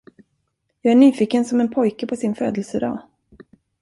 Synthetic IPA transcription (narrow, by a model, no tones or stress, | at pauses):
jɑːɡæɳyːfɪːkənsɔmɛnpʰɔjkəpʰɔsɪnføːd̪əlsəd̪ɑ̰ː